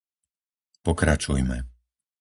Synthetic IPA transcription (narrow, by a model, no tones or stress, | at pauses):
pɔkɾat͡ʃujmɛ̰